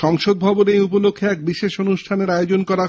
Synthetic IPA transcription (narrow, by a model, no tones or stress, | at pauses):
ʃɔŋʃod̪̚bʱɔbonejupolokʰːeɛk̚biʃeʃonuʃʈʰaneɾajod͡ʑonkɔɾa